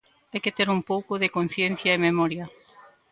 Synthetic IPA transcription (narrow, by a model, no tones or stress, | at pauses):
ajket̪eɾumpowkoðekon̟θjen̟θjaememɔɾja